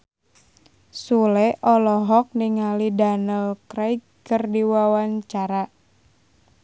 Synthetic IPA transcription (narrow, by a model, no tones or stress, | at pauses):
sulɛʔɔlɔɦɔk̚niŋalidanəlkɾai | kərdiwawaɲt͡ʃaɾa